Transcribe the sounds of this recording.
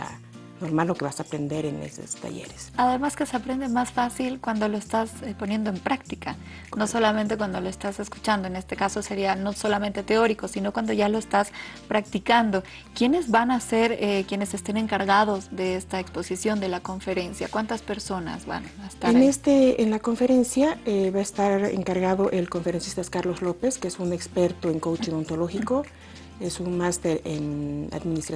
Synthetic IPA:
a̰ | no̞ɾmalːo̞keβasaːpɾe̞nd̪e̞ɾenḛso̰st̪a̰ʝḛɾesaðe̞maske̞seapɾe̞nd̪emasfasilkwand̪o̞lo̞est̪aspo̞nje̞nd̪o̞e̞mpɾak̚t̪ikʰa | no̞so̞lament̪e̞kwand̪o̞lo̞e̞st̪ase̞sku̥t͡ʃand̪oe̞ne̞st̪e̞kaso̞se̞ɾiano̞so̞lame̞nt̪e̞t̪e̞o̞ɾiko̞sino̞kwand̪o̞ʝalo̞est̪aspɾak̚t̪ikand̪o̞ | kje̞ne̞zβanase̞ɾekje̞ne̞se̞st̪e̞ne̞ŋkaɾɣaðo̞zðe̞est̪aekspo̞sisjo̞nd̪e̞lako̞ɱfe̞ɾe̞nsja̰kwant̪aspe̞ɾso̞na̰zβa̰naest̪aeɾnest̪eenlako̞ɱfe̞ɾe̞nsjaeβaest̪aɾḛŋkaɾɣaðo̞ʔe̞lko̞ɱfeɾensi̥st̪askaɾlo̞zlo̞pe̞skeesune̞kspe̞ɾt̪oeŋkowt͡ʃiŋo̞nt̪olo̞xiko̞ | esunmast̪e̞ɾḛna̰ðminist̪ɾa

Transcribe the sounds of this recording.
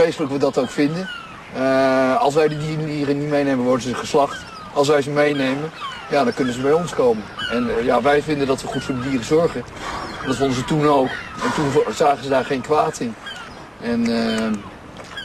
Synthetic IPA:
ejstələkʋədɑtowkfɪndən | ɑlˠs̬ʋɛjdədiːrədiːrənitmejnejmənʋɔɹdəzəχəslɑχt | ɑlˠsʋɛjzəmejnejmən | jaːdɑŋkɵnənzəbɛjɔnskowmənɛnjaːʋɛjvɪndəndɑtʋəχutfʊːdədiːrəzɔɹχənɛndɑtfondəzətunowkɛntunzaːχənzədaːɹχejnkʋaːtɪn | ɛn

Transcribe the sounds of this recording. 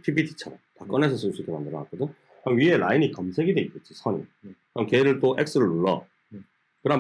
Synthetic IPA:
pʰibidʰit͡ɕʰʌɾʌmtak͈ʌne̞sʰʌsʰɯɭs͈uik͈ːemandɯɾʌnak͈odo | kɯɾʌmɥie̞ɾa̰inikʌmsʰe̞ɡid̪weit̚k͈et͡ɕ͈isʰʌɲḭkɯɾʌmkeɾɯɭt͈oʔe̞k̚s͈ɯɾɯɭːuɭːʌ̰ | kɯɾʌ

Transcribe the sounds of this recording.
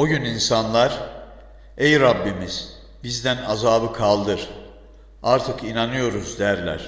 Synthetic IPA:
oɟyninsanlˠaɾ | ejɾabːimiz̥ | bizd̪ænazaːbɯkʰalˠd̪ɯɾ̥ | aɾt̪ʰɯkʰinanɯjo̞ɾuzd̪æɾlʲæ̰ɾ̥

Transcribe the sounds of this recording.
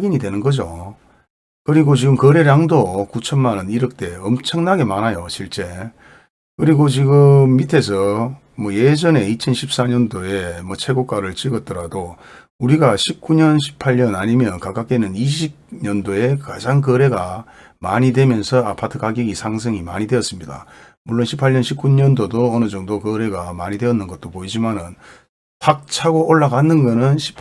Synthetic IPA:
aɡiɲidwe̞nɯnɡʌd͡ʑo̰ | kɯɾiɡot͡ɕiɡɯmkʌɾe̞ɾaŋdokut͡ɕʰʌnmanɯniɾɯk̚t͈e̞ʌmt͡ɕʰʌŋnaɡe̞manajoɕʰiɭt͡ɕ͈e̞ | kɯɾiɡot͡ɕiɡɯmːitʰe̞s̬ʰʌ | mwʌje̞d͡ʑʌne̞it͡ɕʰʌnɕʰip̚s͈aɲʌndoe̞mwʌt͡ɕʰe̞ɡok͈aɾɯɭt͡ɕiɡʌt͈̚ʌɾado | uɾiɡaɕʰip̚k͈uɲʌnɕʰi̥pʰaʎɲʌnaɲimjʌnkak͈ak͈enɯniɕʰib̚ɲʌndoe̞kad͡ʑaŋkɯɾe̞ɡa | maɲidwe̞mjʌnsʰʌapʰatʰɯkaɡiɡisʰaŋs̬ʰeŋima̰ɲide̞ʌs͈ɯmɲida̰ | muɭːonɕʰipʰaʎɲʌnɕʰip̚k͈uɲʌndodoʌnɯd͡ʑʌŋdokʌɾe̞ɡamaɲidwe̞ʌnːɯnɡʌt̚t͈opoid͡ʑimanɯn | tak̚t͡ɕʰaɡoʔoɭːaɡanːɯnɡʌnɯnɕʰi̥pʰ

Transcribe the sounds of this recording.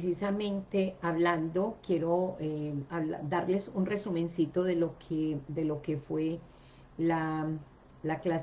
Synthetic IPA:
sisamẽ̞nt̪e̞aβland̪o̞kje̞ɾo̞eaβla̰d̪aɾle̞sunre̞sumẽ̞nsit̪o̞ðe̞lokʰed̪e̞lo̞ke̞fwe̞ | la | laklas

